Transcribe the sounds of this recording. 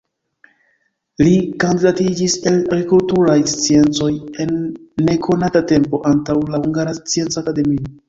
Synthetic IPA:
likand̪idatid͡ʒise̞laɡɾikultuɾajst͡sie̞nt͡so̞je̞nːe̞kʰo̞natate̞mpo̞ʔantawlahuŋɡaɾast͡sie̞nt͡saakade̞mio

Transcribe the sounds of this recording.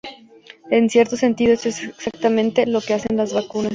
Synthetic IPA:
e̞nsje̞ɾt̪o̞se̞nt̪iðoesoesksakt̪amẽ̞nt̪e̞lo̞ke̞asenlazβakunas

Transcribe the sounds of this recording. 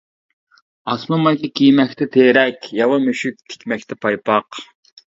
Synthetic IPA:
ɑsmumɑjkʲɑkʲʰijmɛkʲt̪ʰɛt̪ʰeːɾɛkʲjɑwɑmyʃyk̚ʲt̪ʰɪ̥kʲmɛk̚ʲt̪ʰɛpʰɑjpʰɑq

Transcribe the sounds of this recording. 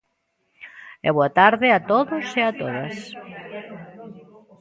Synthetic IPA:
ḛβoat̪aɾðeat̪oðoseat̪oðas

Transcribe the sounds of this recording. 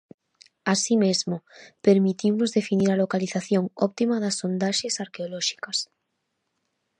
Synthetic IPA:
asimezmopeɾmit̪imozðefiniɾalokaliθaθjoŋopt̪imaðasːond̪aʃesaɾkeoloʃi̥kas

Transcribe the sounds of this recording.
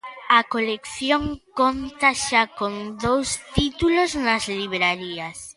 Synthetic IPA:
ɐkolekθjoŋkont̪ɐʃakond̪owst̪it̪uloznɐzliβɾaɾiɐs

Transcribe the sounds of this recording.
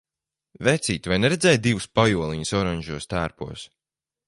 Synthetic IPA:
vɛt̪siːt̪vajnɛɾed̪zʲɛj̚d̪ivuspajuɔlˠiɲusɔɾaɲʒuɔst̪æːɾpṵɔs

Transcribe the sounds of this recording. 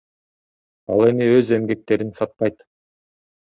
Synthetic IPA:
ɑ̰lˠe̞miøze̞mɡe̞k̚t̪e̞ɾinsɑt̪̚pɑjt̪

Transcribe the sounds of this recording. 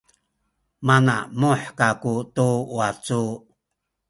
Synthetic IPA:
mana̰muħkakutuwat͡su

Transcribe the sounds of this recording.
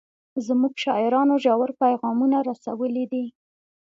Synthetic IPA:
zmuɡʃɑɪɾɑnoʒawaɾpajɣɑmunaɾasawəlid̪i

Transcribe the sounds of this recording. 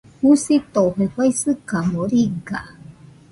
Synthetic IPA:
husit̪oheɸajsɨkamoɾiɡa̰

